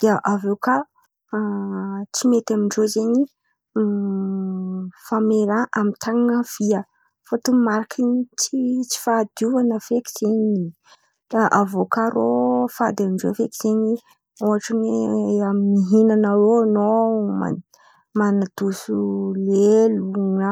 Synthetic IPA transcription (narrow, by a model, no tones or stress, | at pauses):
d̪̥iəʔavewka | t͡simet̪amiɳɖ͡ʐozeɲi | fameɾaʔamit̪ʰaŋaŋəv̥iə | fot̪umaɾakʰinit͡sit͡si̥fad̪uanəfeki̥z̥eɲi̥ | aʔavokaɾofad̪amiɳɖ͡ʐo̰fekiz̥eɲi | oaʈ͡ʂaneaminiɦinanəɾonoma̰ | manad̪̥usuleluŋə